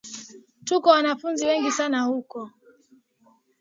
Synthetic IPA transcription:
tukɔwanafunziwɛŋɡisanahukɔ

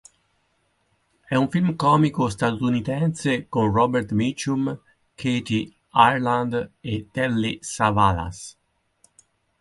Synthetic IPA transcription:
ɛuɱfilmkɔːmikost̪at̪unit̪ɛnsekonrɔbeɾt̪mit͡ʃːum | kʰet̪i | ajɾland̪et̪ːɛlːisavala̰s

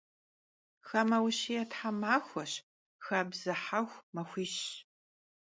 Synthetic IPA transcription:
xɐmɐwɕijɛtħamaːxʷɔɕ | xɐbzɨħaxʷmɐxʷiːɕ

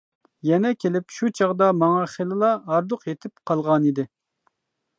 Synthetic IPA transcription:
jɛnɛkʲʰelɪpʃut͡ʃʰɑʁd̪ɑmɑŋɑχelˠɨlˠɑːɾd̪ʊqjet̪ʰɪpqʰɑlˠʁɑnid̪ɪ

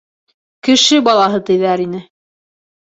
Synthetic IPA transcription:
kɘ̆ʃɘbɑlˠɑɦɤt̪ɘ̆jðæɾinɘ

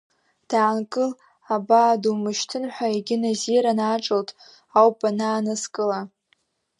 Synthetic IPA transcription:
d̥aːnkʼɨl | abadumɨʃtʰɨnħʷᶣaeɡʲɪnazijɾanaʈ͡ʂʼɨltʼ | awpʼanaːnɨskʼɨla

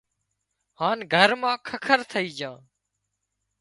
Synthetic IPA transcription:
haːnɡʱəɾmãːkʰəkʰəɾt̪ʰəiːd͡ʒãː

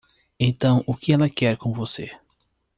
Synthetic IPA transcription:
ẽnt̪ɐ̃w̃ʔʊkɪɛlɐkɛɾkõvose

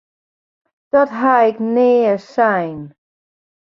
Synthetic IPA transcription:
d̥ɔtɦaɪknɪːsɛjn

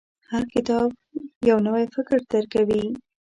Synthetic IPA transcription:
haɾkɪt̪ɑb̚ | jawnəwajfɪkɾd̪̥əɾkawi

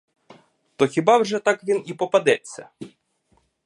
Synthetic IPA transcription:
t̪ɔxʲibɑwʐɛt̪ɑkʋʲinipɔpɐd̪ɛt͡sʲːɐ̰

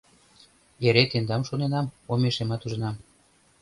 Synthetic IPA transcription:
eɾet̪end̪ɑmʃonenɑmomeʃemɑt̪uʒə̆nɑm

